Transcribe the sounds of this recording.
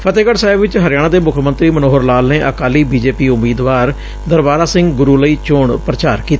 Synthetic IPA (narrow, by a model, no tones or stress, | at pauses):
pʰət̪eːkəʈsaːɪbʋɪt͡ʃɦəɾɪjaːɽãːd̪eːmʊkʰmənt̪ɾiːmənoːɦəɾlaːlneːʔəkaːliːbiːd͡ʒeːpiːʊmiːd̪ʋaːɾ | d̪əɾbaːɾaːsɪ̃ŋɡɡʊɾuːləiːt͡ʃʊɳpɾət͡ʃaːɾkiːt̪aa